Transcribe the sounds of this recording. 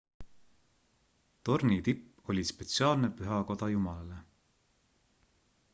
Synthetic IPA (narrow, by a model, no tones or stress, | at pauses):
t̪o̞rnit̪ipː | o̞lʲispe̞t̪siɑːlne̞pyɦɑko̞d̪̥ɑjumɑlɑle